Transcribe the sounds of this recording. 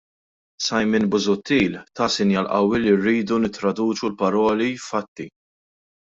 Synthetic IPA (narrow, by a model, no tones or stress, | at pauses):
sɐjmɪnbʊzʊt̪ːiːlt̪ɐsɪnjɐlʔɐwːɪlirːiːd̪unɪt̪ːɾɐd̪uːt͡ʃulpɐɾɔːlifɐt̪ːi